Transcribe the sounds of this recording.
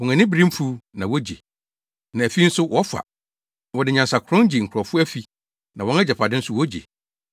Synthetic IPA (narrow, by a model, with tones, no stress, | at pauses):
wɔ̃˨ŋɛ̃˨nɪ̃˦bi˦ɾĩ˦m˦fu˦nã˨wɔ˦d͡ʑḛ˨ | nã˨æ˨fi˦n̩˦sʊ˦wɔ˦fa̰˨ | wɔ˨dɪ˨ɲã˨nsa˨kʰʊ˨ɾɔ̃˦n˦d͡ʑi˨ŋ̩˨kʰɾɔ˨fʊ˦æ˦fi˨ | nã˨wɔ̃˦nɛ˦d͡ʑɛ˨pʰa˨dɪ̃˦n̩˦sʊ˦wɔ˦d͡ʑḛ˨